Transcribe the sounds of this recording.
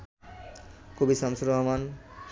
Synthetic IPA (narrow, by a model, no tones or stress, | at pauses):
kubisɔmsuɾɔɦman